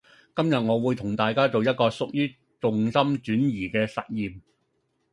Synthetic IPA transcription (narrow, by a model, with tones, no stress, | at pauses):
kɐ˥mjɐ˨t̚ŋɔː˨˧wuː˨˧jt̪ʰʊ˨˩ŋt̪aː˨jkaː˥t͡so˨wjɐ˥t̚kɔː˧sʊ˨k̚jyː˥ | t͡sʊ˨ŋsɐ˥mt͡ʃyː˨˥njiː˨˩kɛː˧sɐ̰˨t̚jiː˨m